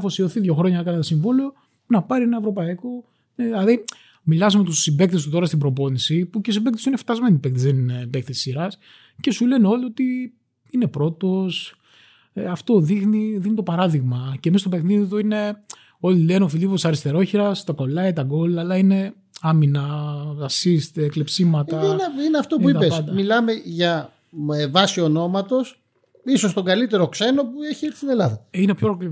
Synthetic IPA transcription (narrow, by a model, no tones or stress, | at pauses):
fosio̞θiðʝo̞xɾo̞ɲɐɐkɐnet̪ɐsiɱvolio̞ | nɐpɐɾienɐevɾo̞pɐiko̞ | ɐði | milɐzumet̪ussimbe̞kθest̪ut̪o̞ɾɐst̪ibɾo̞po̞nisipucesimbekt̪esuineft̪ɐzme̞nipekt̪ezðeninebekθeisiɾɐs | ce̞sule̞neo̞lio̞t̪i | ine̞pɾo̞t̪o̞s | eɐft̪o̞ðixniðixnit̪o̞pɐɾɐðiɣmɐcemist̪ope̞xniðit̪uine̞ | o̞lile̞neofiliposɐɾist̪e̞ɾo̞çiɾɐst̪ɐko̞lɐit̪ɐɡo̞lɐlɐine̞ | ɐminɐɐsist̪eːklepsimɐt̪ɐnineɐft̪o̞puit̪ɐpepsd̪ɐmilɐme̞ʝɐ | evɐsiono̞mɐt̪o̞s | iso̞st̪oɡɐlit̪e̞ɾo̞kse̞no̞pueçielist̪ine̞lɐðɐinepçoɾk